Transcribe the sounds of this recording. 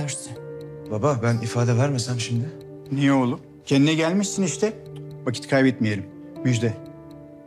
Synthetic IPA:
ɾsɯn | bababænifaːd̪ɛvæɾmesæmʃimd̪ɪ | nijɛo̞lˠum | cʰɛnd̪inɛɟælʲmiʃsiniʃt̪ʰɛ | vacʰi̥t̪kʰajbɛt̪mijelʲim | myd͡ʒd̪ɛ

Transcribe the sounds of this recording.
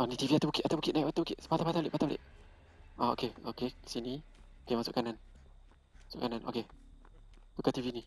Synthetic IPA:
ʔɔnit̪iviat̪abukitʔat̪awbukit̪ʔ̚najʔpat̪abukiʔpat̪awpat̪alḛʔpat̪alḛʔ | ʔao̰keokesiniokemasʊ̰ʔkanan | masʊ̰ʔkananʔo̰ke | t̪ukat̪ivini

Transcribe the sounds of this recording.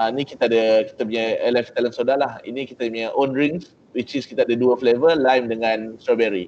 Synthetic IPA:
anĩkit̪aadəki̥t̪ap̬uɲajɛlɛft̪alənsodaɦlahḭnĩkit̪amuɲaʔonɾiŋs | wit͡ʃiskit̪aadəduəflevəlajmdəŋãnstɾabɛɾi

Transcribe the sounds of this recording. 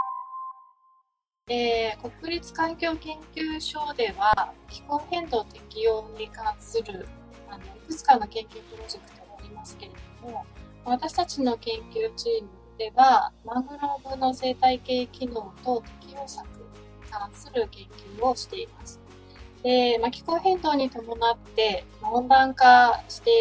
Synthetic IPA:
eːko̞kɯ̟ɾʲit͡sɨ̥kãŋkʲo̞ːkẽ̞ŋkʲɨːɕo̞ːd̪e̞βakʲi̥kõ̞ɰhẽ̞nd̪o̞ːt̪e̞kʲijo̞ːɲ̟ikãɰ̃sɨɾɯ̟ | ano̞ikɯ̟t͡sɨ̥kãnːo̞kẽ̞ŋkʲɨːpɯ̟ɾo̞ʑe̞kɯ̟̥t̪o̞ɡaːɾʲimasɨ̥ke̞ɾe̞d̪o̞mo̞maβat̪aɕi̥t̪at͡ɕino̞kẽ̞ŋkʲɨːt͡ɕiːmɯ̟d̪̥e̞βamãŋɡɯ̟ɾoːbɯ̟nːose̞ːt̪aike̞ːkʲino̞ːt̪o̞t̪e̞kʲijo̞ːsakɯɲɲikãɰ̃sɨɾɯ̟kẽ̞ŋkʲɨːo̞ɕi̥t̪e̞imasɨ̥ | d̪̥e̞makʲi̥kõ̞ɰɦẽ̞nd̪o̞ːɲ̟it̪o̞mo̞nat̪ːe̞maõ̞nd̪ãŋkaɕi̥t̪e̞

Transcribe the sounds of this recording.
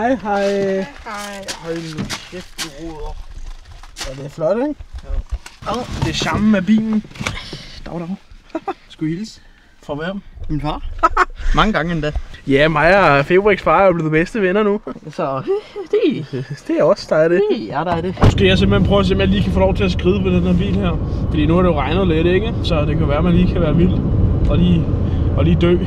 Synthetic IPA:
hɑɪɦɑɪ | jhaɪnnulsefd̥iʁɔðˠɐ | ædeflɒɾ̥eeŋ | d̥e̝ɕɑ̈mæb̥ḭːn̩ | d̥ɑ̈ʊɾɑʊsɡ̥uils | fɒʋeɑmminfɑ̰ː | mɑ̈ŋəɡ̥ɑ̈ŋəendɛjæmɑ̈ɪfeb̥ʁiɡ̥sb̥ɑ̈ːʊb̥liːð̩ˠb̥esd̥əʋenɐnusɒd̥ed̥e̝æɒ̽sd̥ɑ̈ɪd̥eæd̥ɑd̥emosɡ̥e̝̰ːjɑɪs̬emb̥l̩henpʰʁœʊɐse̝ːɒmjɑliːkʰæfoːlɒʊt͡sʰe̝æsɡ̥ʁiːðˠpʰɒd̥enheɐb̥ḭːlheɐ̰fɒd̥ḭːnuæɐɾejo̝ʁɑ̈ɪnəð̩ˠleɾ̥eɡ̥əsɒ̽d̥e̝kʰæjʋæːɐmænliːkʰæʋæːɐʋil̰ɒ̽liː | ɒ̽liːd̥ø̰ː

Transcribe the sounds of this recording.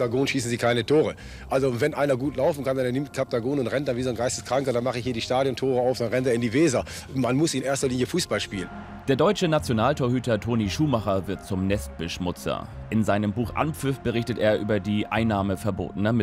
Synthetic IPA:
taɡoːnʃiːsn̩ziːkʰaɪnətʰoːʁə | ʔalzovɛnʔaɪnɐɡuːtlaʊfn̩kandaneɐnɪmt̚kʰap̚taɡoːnʊntʁɛnt̚d̥anviːzoːnɡaɪstəskʁ̥aŋkɐdanmaχəɪçhiːɐdiːʃtaːdjɔntʰoːʁəaʊfd̥anʁɛnteːɐɪndiːveːza | manmʊsɪɪnʔeːɐstɐliːnjəfuːsb̥alʃpiːlən | d̥eːɐdɔʏt͡ʃənat͡sjonaːltʰoːɐɦyːtɐtʰoːniːʃuːmaχɐvɪɐt̚t͡sʊmnɛst̚b̥əʃmʊt͡sɐ̰ | ʔɪnzaɪnəmbuːxʔa̰np͡fʏfb̥əʁ̞ɪçtəteːɐʔyːbɐdiːʔa̰ɪnːaːməfɛɐbo̰ːtn̩ɐmɪ

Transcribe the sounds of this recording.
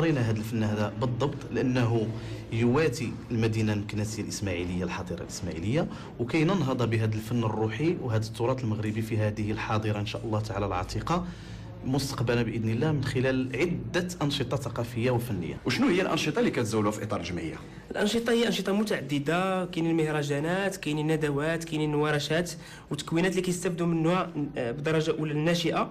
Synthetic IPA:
ɾinaɦæd̪əlfənːhæd̪æbəd̪ˤːɑbt̪ˤləʔənːɦujwæt̪iəlmæd̪inalmkænæsəjalʔəsmæʕiləjːalħɑd̪ˤiɾˤɑ̰lʔəsmæʕḭləjːa | wkæjnənɦɑd̪ˤɑbəɦæd̪əlfənːərˤːuħiwɦæd̪ət̪ːʊɾˤɑt̪ˤlməɣɾəbifiɦæd̪əhəlħɑd̪ˤəɾɑʔənʃæʔəlːɑht̪ʕalalʕɑ̰t̪ˤiqɑ | mʊst̪ə̥qbəlnæbəʔəd̪nəlːæmənxəlælʕəd̪ːəʔɑnʃət̪ˤɑθɑqɑfəjːawfənːə̰jːa̰wʃnuhəjːælʔɑ̰nʃət̪ˤɑlːikæt̪zæwːlæfiʔit̪ːˤɑ̰ɾˤlʒəmə̰jːa̰ | ʔəlʔɑnʃət̪ˤɑhəjːaʔɑnʃət̪ˤɑmʊt̪aʕad̪ːəd̪akinilməhɾˤɑʒænæt̪kæjninːæd̪æwæt̪kijniːwæɾˤɑʃæt̪ | wət̪ːəkwinæt̪likæjəst̪æb̚d̪umənːæbd̪ɑɾˤɑʒaʔulænːæʃəʔa

